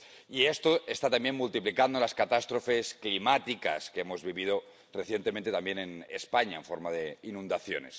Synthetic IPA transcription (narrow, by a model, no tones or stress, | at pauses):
iest̪oest̪at̪ambjenmult̪iplikand̪olaskat̪ast̪ɾofe̞sklimat̪ika̰skeemo̞zβiβið̞o | reθje̞nt̪emẽnt̪eambjenenespaɲaeɱfoɾmaðeinũnd̪aθjo̰ne̞̰s